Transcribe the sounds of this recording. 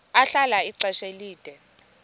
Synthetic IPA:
aɬalaiǀɛʃeliːd̥ʼʱɛ

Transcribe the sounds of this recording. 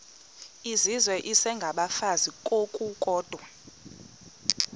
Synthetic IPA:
izizwɛʔisɛŋɡʱaɓafazikʼokʼukʼɔːd̥ʱwa

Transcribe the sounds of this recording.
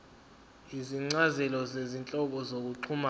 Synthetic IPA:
iziŋ͡ǀazɛlɔzezint͡ɬʼɔk̬ɔzok̬uǀʰuma

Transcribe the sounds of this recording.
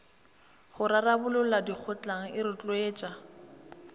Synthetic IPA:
χʊɾarabʊlʊladik͡xʰʊt͡ɬʼaŋ̩ɪɾʊt͡ɬʼweːt͡ʃʼa

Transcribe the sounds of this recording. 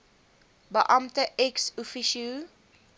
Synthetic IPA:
bəʔɐmtəʔɛksufiʃu

